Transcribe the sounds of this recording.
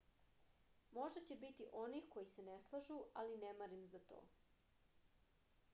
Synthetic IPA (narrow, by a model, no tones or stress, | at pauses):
mo̞ʒd̪at͡ɕebit̪iʔo̞nixko̞jise̞neslˠaʒualinemaɾimzat̪o̰ː